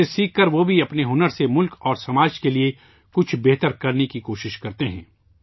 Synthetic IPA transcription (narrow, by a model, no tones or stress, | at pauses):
esiːkːəɾʋobʱiɐpneɦʊnəɾsemʊlkɔːɾsɐmaːd͡ʒkelie | kʊt͡ʃʰbeːɦt̪əɾkɐɾnekikoːʃɪʃkɐɾt̪eɦɛ̰̃ː